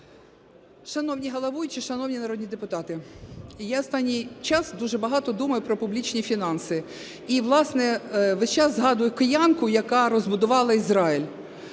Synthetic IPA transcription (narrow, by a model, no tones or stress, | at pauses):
ʃɐnɔwnʲiɦɐlˠɐʋujt͡ʃɪʃɐnɔwnʲinɐɾɔd̪ʲnʲid̪epʊt̪ɑt̪ɪjaɔst̪ɑnʲːijt͡ʃɑsd̪uʒɛbɐɦɑt̪ɔd̪umɐjʊpɾɔpʊblʲit͡ʃnʲifʲinɑnsɪ | iʋlˠɑsnɛʋɛʃt͡ʃɑzzɦɑd̪ʊjʊkɔjɑnkʊjɐkɑɾɔzbʊd̪ʊʋɑlˠɐizɾɑjilʲ